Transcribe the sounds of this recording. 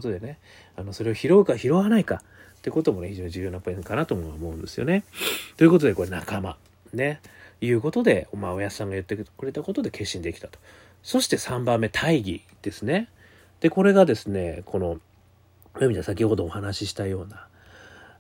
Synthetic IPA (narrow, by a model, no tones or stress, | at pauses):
ot̪o̞d̪e̞ne̞ | ano̞so̞ɾe̞oçiɾo̞ikaçiɾo̞βanaika | t̪ːeiɯ̟ko̞t̪o̞mo̞ne̞çiʑo̞ːɲ̟iʑd͡ʑɨːjonapoĩŋkanat̪omoamo̞ɯ̟̃nd̪e̞sɨjo̞̰net̪o̞iɯ̟ko̞t̪o̞d̪e̞ko̞ɾenakama | ne̞jɯ̟ːko̞t̪o̞d̪e̞o̞maojassãŋɡajɯ̟t̪ːe̞kɯ̟ɾe̞t̪ako̞t̪o̞d̪e̞ke̞ɕːĩnd̪e̞kʲi̥t̪ḁt̪o̥ | so̞ɕi̥t̪e̞sãmbãmːe̞t̪ʰaiɡʲḭ | d̪̥e̞sɨne̞ | d̪̥e̞ko̞ɾe̞ɡad̪e̞sɨne̞kʰo̞no̞ | momʲid̪asakʲiho̞d̪o̞ːhanaɕiɕi̥t̪ajo̞ːna